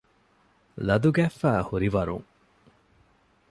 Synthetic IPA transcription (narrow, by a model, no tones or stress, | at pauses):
lɐd̪uɡæːfæːhuɾiʋɐɾṵŋ